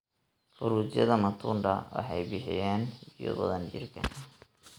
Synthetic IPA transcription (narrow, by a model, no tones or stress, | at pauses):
fʊɾuːt͡ʃjɐ̰ðɐmɐt̪ʰuːnɖɐ̰wɑ̰ħɑjbɪħɪ̰jaːnhd̪jɔ̰bɐðɐnd͡ʒɪ̰rkʰɐ̰n